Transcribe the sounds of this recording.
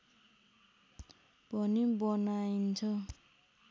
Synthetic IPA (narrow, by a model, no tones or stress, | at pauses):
bʱʌnibʌnajnt͡sʰʌ